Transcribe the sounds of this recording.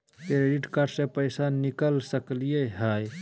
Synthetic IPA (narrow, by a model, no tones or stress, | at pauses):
keɾeɖɪʈkaːɾɖsepəjsanɪkəlsəklijeɦaːj